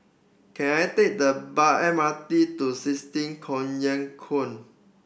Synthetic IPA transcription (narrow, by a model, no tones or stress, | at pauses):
kʰɛ̃najtek̚dəbaʔɛ̃mat̪itusistĩŋkʰɔ̃njãŋkʰõn